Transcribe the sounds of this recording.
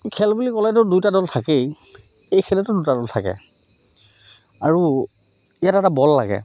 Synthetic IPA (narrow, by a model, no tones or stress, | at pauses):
kʰɛlbulikɔlɛtʊdujtadɔltʰakej | ejkʰɛlɛtʊdutadɔltʰakɛ̰ | aɹu | ijatɛtabɔlːa̰ɡɛ̰